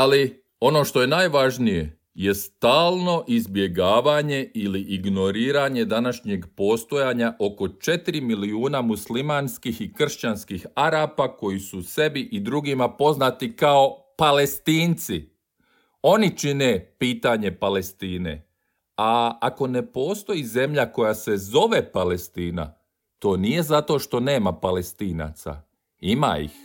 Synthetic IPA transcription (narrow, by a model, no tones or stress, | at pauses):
ali | o̞no̞ʃt̪o̞je̞naːjʋaʒnije̞̰ | je̞st̪aːlˠno̞ʔizbje̞ɡaːʋaɲe̞iliʔiɡno̞ɾiːɾaɲe̞d̪anaʃɲeɡpo̞ːst̪o̞jaːɲaʔo̞ko̞t͡ʃe̞t̪iɾimiliuːnamuslimanskixikr̩ʃt͡ɕanskixaɾaːpako̞jisuse̞biʔid̪ɾuɡimapo̞znat̪ikao̞pale̞st̪iːnt̪si | o̞nit͡ʃine̞piːt̪aɲe̞pale̞st̪iːnḛ | aako̞ne̞po̞ːst̪o̞jize̞mʎako̞jase̞zo̞ʋe̞pale̞st̪iːna̰ | t̪o̞ːnije̞zat̪o̞ʃt̪o̞ne̞ːmapale̞st̪iːna̰t̪sa̰ | ima̰ḭx